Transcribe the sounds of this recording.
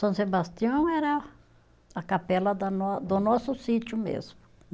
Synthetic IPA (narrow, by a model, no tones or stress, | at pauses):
sɐ̃sebast̪iɐ̃w̃ɛɾɐ | ɐkapɛlɐd̪ɐnɔd̪ʊnɔsʊsit̪jʊmḛzmʊ